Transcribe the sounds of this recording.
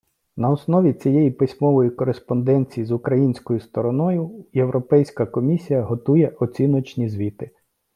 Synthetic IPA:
nɐɔsnɔʋʲit͡sʲijɛjipɪsʲmɔʋɔjikɔɾespɔnd̪ɛnʲt͡sʲijizʊkɾɐjinʲsʲkɔjʊst̪ɔɾɔnɔjʊje̞wɾʔɔpɛjsʲkɐkɔmʲisʲijɐɦɔt̪ujɛʔɔt͡sʲinɔt͡ʃnʲizʲʋʲit̪ɪ

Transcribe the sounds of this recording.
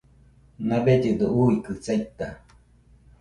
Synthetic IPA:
nãbed͡ʒɯd̪ouikɨt͡sait̪a

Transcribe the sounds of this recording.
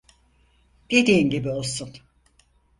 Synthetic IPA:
d̪̥e̞d̪iːnɟibio̞lˠsun

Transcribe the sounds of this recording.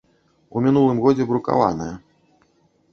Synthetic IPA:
umʲinulˠɨmɣɔd͡zʲɛbɾuka̰va̰nɐjɐ

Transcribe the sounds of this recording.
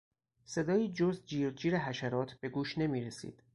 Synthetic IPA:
se̞d̪ɒːjiːd͡ʒo̞zd̪̚d͡ʒiːɾd͡ʒiːɾeɦæʃæɾɒːt̪ʰbe̞ɡuːʃne̞miːɾe̞sḭd̪̥

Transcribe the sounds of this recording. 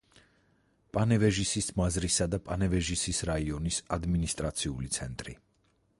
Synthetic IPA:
pʼanɛvɛʒisismazɾisad̪apʼanɛvɛʒisisɾaiɔnisad̪minist̪ʼɾat̪sʰiulit̪sʰɛnt̪ʼɾḭ

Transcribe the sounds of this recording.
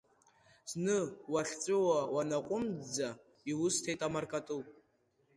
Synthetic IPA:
znɨwaɬt͡sʼɨwawanaqʷʼʊmd͡za | iwʊstʰejtʼamarkʼatʼɨlʼ

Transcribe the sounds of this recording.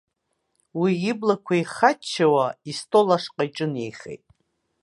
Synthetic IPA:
wiːblakʷʰaiχat͡ʃʰːawaistʼolaʂqʼajʈ͡ʂʼɨnejχḛjtʼ

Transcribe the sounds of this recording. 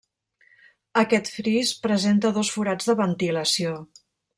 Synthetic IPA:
əkɛt̪fɾispɾəzent̪əðɔsfuɾad͡zðəβənt̪iləsio

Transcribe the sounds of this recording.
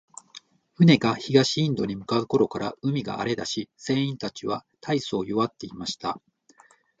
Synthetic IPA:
ɸɯ̟ne̞ɡaçiɡaɕĩːnd̪o̞ɲ̟imɯ̟kaɯ̟ko̞ɾo̞kaɾaɯ̟mʲiɡa̰ːɾe̞d̪a̰ɕise̞ːĩnt̪at͡ɕiβat̪ʰaiso̞ːjoβat̪ːe̞imaɕi̥t̪a

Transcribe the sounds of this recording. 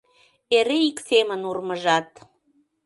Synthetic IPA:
eɾeiksemənurməʒɑt̪

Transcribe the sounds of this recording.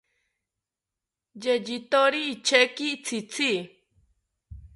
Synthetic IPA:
d͡ʒed͡ʒit̪oɾiit͡ʃʰekit͡sʰit͡sʰi

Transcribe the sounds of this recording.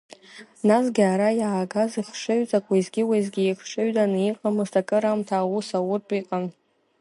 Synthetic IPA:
nasɡʲaɾajaːɡaziχʂɨɥt͡sʼakʷʼaizɡʲɪwajzɡʲiːkʰʂɨɥdʼaniqʼamɨztʰakʼɨɾamtʰaːwusawʊrtʼiqʼan

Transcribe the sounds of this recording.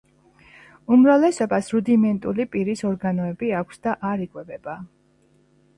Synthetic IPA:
umɾavlɛsɔbasɾud̪imɛnt̪ʼulipʼiɾisɔɾɡanɔɛbiakʷʰsd̪aʔaɾikʼwɛbɛba

